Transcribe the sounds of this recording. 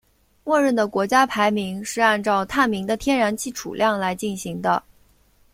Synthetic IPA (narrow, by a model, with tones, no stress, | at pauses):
mwɔ˥˧ɻə˥˩d̪ə˩kwɔ˧˥t͡ɕja˥pʰa˧˥ɪmi˧˥ŋʂɻ̩˥˧a˥˧nʈ͡ʂɑ˥˧ʊt̪ʰa˥˩nmi˧˥ŋd̪ə˧t̪ʰjɛ˥nɻa˧˥nt͡ɕʰi˥˩ʈ͡ʂʰṵ˨˩ljɑ˥˩ŋla˧˥ɪt͡ɕi˥˩nɕi˧˥ŋd̪ə˧